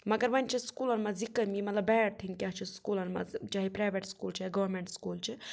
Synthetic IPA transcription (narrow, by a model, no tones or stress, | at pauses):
mɐɡɐɾʋɐnʲt͡ʃʰiskuːlɐnmazikəmimɐt̪lɐbɛːʈ̚t̪ʰinkʲaɦt͡ʃʰiskuːlɐnma̰t͡ʃaɦipɾaːjʋeʈskuːlt͡ʃʰiɡɐʋɐɾmẽɳʈskuːlt͡ʃʰi